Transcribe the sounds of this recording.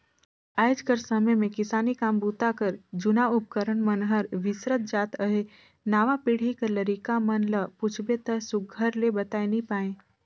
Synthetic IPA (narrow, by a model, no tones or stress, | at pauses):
aːɪd͡ʒkəɾsəməjmẽkɪsaːnikaːmbuːt̪akəɾd͡ʒʊnaʊp̚kəɾənmənɦəɾʋɪsɾət̪̚d͡ʒaːt̪əɦe | naːʋapiːɽ̤ikəɾləɾiːkamənləput͡ʃʰbet̪əsʊɡʱəɾlebət̪aːenĩpaːẽː